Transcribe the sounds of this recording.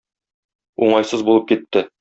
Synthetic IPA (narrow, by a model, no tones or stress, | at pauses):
uɴɑjsɤzbulˠɤp̚kit̪ːɘ